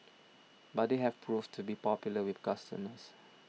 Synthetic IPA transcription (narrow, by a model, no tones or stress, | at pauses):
bat̚deɦɛvpʰɹuvtʰubipɔpjʊləwɪθkastə̰məs